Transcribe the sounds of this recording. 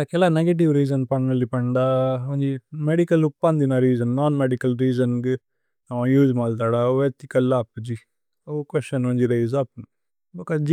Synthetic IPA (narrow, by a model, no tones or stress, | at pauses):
ɐkɛlaneɡeʈ̬iʋɾiːd͡ʒɐnpɐɳmɐlːipɐɳɖaoɲd͡ʒimeɖikɐlupːɐnd̪inɐɾiːd͡ʒɐnːaːnmeɖikɐlɾiːd͡ʒɐnɡɨ | ɐmɐ̃juːd͡ʒmaːlt̪̬aːɽaʋet̪ikɐlːaːpːud͡ʒi | okʋesʈɐnoɲd͡ʒiɾɐjzapn | bɐkaːd͡ʒi